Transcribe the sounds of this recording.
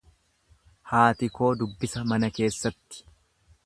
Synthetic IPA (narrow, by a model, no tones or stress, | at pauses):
haːt̪ɪko̞ːd̪ʊbːɪsɐmɐnɐke̞ːsːɐt̪ːɪ̥